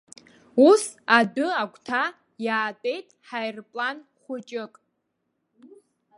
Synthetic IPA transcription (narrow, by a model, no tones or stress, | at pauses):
usadʊaɡʷʰʼtʰa | jaːtʼe̞jtʼħajrpʼlanχʷʊt͡ʃʼɪkʼ